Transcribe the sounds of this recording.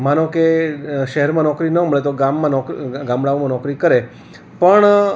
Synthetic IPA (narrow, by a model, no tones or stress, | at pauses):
manõkeʃəɦɛɾmãnɔkɾinəməɭet̪oɡamːãnɔkɡãmbɽaʋmãnɔkɾikəɾe | pəɳ